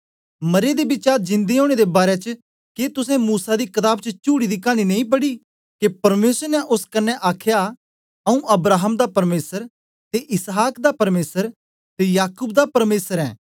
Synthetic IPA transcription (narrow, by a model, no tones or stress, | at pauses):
mɐɾed̪ebɪt͡ʃaːɾd͡ʒɪ̃nd̪eɦoːɽ̃ed̪ebaːɾet͡ʃə | ket̪ʊsẽmuːsad̪ikɐt̪aːbt͡ʃət͡ʃuːɽid̪ikaːñinɐ̃ĩp̬ɐɽi | kepɐɾmeːsəɾnɛʔʊskɐnːɛʔaːkʰja | ɐũʔɐbɾaːɦəmd̪apɐɾmeːsəɾ | t̪eʔɪsɦaːkd̪apɐɾmeːsəɾ | t̪ejaːkub̚d̪apɐɾmeːsəɾɛ̰ː